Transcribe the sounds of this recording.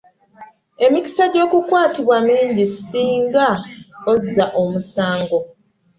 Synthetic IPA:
e̞mici̥saɟo̞ːkukwaːtiβwamiːɲɟisiːŋɡaozːaʔo̞musaːŋɡo̞

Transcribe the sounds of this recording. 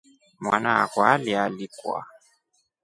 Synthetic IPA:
mwa̰naa̰kɔalialikua̰

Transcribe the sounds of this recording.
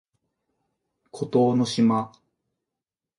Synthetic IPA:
kʰot̪oːno̞ɕima

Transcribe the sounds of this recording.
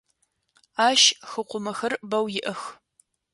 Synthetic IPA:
aːʃxɨqʷʊmɐxɐrbɐwjɪʔɐx

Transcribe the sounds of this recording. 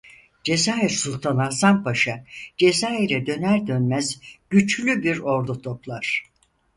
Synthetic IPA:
d͡ʒe̞zaːiɾsulˠt̪ʰanasanpʰaʃad͡ʒe̞zaːiɾɛd̪ø̞næɾd̪ø̞nmæzɟ̥yt͡ʃlʲybiɾo̞ɾd̪ut̪ʰo̞plˠaɾ̥

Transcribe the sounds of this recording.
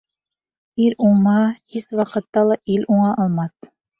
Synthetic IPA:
ilʲuɴːɑhiswɑqɤ̆t̪ːɑlˠɑʔilʔuɴɑʔɑlˠmɑθ

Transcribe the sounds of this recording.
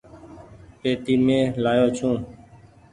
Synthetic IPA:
peːt̪iːmẽːlaːjoːt͡ʃʰũː

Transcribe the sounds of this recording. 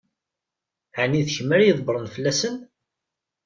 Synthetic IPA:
ʕaniðçəməɾjəðˤbəɾˤənfəlːæsən

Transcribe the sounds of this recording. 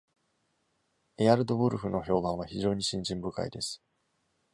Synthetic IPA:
eaɾɯ̟d̪o̞bɯ̟ɾɯ̟ɸɯ̟no̞ço̞ːbãɰ̃β̞açiʑo̞ːɲ̟iɕĩɲ̟d͡ʑĩmbɯ̟ka̰id̪e̞sɨ̥

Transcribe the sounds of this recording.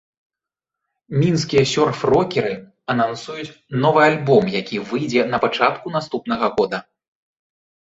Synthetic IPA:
mʲinskʲijɐsʲɔrfrɔkʲɛɾɨ | ɐnansujut͡sʲnɔvɨalʲbɔmjakʲivɨjd͡zʲɛnɐpat͡ʂat̪kun̪ast̪upn̪ɐɣɐɣɔd̪ɐ

